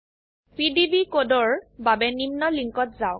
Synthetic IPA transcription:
pidibikodɔɹbabɛnimnɔliŋkɔtzaʊ

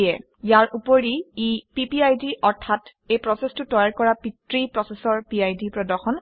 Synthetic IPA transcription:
ɛ | jaɹʔupoɹiipipiajdiʔɔɹtʰat | ejpɹɔsɛstʊtɔjaɹkɔɹapitɹipɹɔsɛsɔɹpiajdipɹɔdɔxɔn

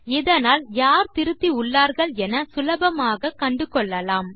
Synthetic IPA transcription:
ɛðɐnaːljaːɾt̪ɪɾɯt̪ːiʊɭːaːɾɣɐɭɛnɐsʊlɐbɐmaːɣɐkɐɳɖɯkɔɭːɐlaːm

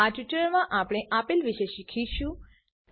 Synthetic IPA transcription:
aʈʋiʈəɾmãʔapɽ̃eʔapilʋiʃeʃikʰiʃũ

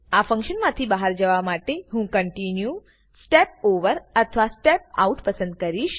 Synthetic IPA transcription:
afə̃ŋkʃənmãt̪ʰibaɦaɾd͡ʒəʋamaʈeɦũkəɳʈinju | sʈep̚oʋəɾət̪ʰəʋasʈep̚a̰uʈpəsə̃nd̪kəɾiʃ

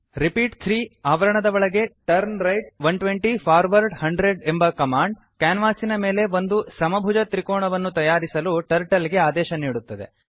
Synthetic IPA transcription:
ɾipiːʈt̪ʰɾiːaːʋɐɾɐɳɐd̪ɐʋɐɭɐɡe̞ʈɐɾnɾɐjʈ̚ʋɐnʈʋeɳʈipʰaːɾʋɐɾɖhɐɳɖɾeɖembɐkɐmaːɳɖ | kaːnʋaːsinɐme̞ːle̞ʋo̞nd̪usɐmɐbʱud͡ʒɐt̪ɾikɔːɳɐʋɐnːut̪ɐjaːɾisɐluʈɐɾʈɐliɡeaːd̪ɛːʃɐniːɽut̪ːɐd̪e̞̰

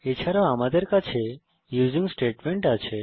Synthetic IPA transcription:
et͡ʃʰaɾaamad̪əɾkat͡ʃʰe | juzĩŋɡsʈeʈmeɳʈat͡ʃʰe

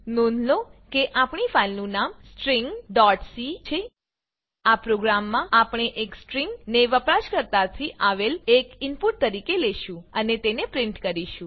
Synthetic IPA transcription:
nõnʱlokeʔapɳifailnũnamsʈɾiŋɡɖɔʈsit͡ʃʰe | apɾoɡɾamːãapɳ̃eʔeksʈɾiŋɡneʋəpɾaʃkəɾt̪at̪ʰiʔaʋelekɪnpuʈ̚t̪əɾikeleʃũənet̪enepɾɪɳʈkəɾiʃũ

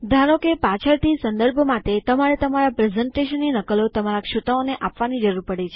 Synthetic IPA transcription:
d̪ʱaɾəkepat͡ʃʰəɾt̪ʰisə̃nd̪əɾbʱmat̪et̪əmaɾet̪əmaɾapɾezəɳʈeʃənːinəkəlot̪əmaɾakʃut̪aoneʔapʋanid͡ʒəɾuɾpəɽet͡ʃʰe

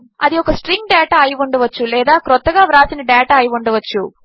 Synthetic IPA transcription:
ɐd̪iɔkɐsʈɾiŋɡ̚ɖɛːʈaːɐjiʋɐɳɖɐʋɐt͡ʃːulɛːd̪aːkɾɔt̪ːɐɡaːʋɾaːsinɐɖɛːʈaːɐjiʋɐɳɖɐʋɐt͡ʃːu

